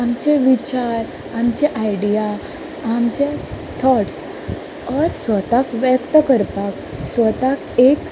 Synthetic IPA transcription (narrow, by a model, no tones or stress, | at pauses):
amt͡ɕeʋit͡ɕaɾ | amt͡ɕeʔajɽija | amt͡ɕe | t̪ʰɔʈs | əɾsʋət̪akʋjəkt̪əkəɾpak | sʋət̪akek